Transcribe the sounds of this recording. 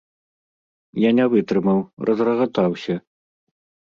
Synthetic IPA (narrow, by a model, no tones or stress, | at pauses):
janʲɛvɨt̪ɾɨmɐwrʔɐzrɐɣɐt̪awsʲɐ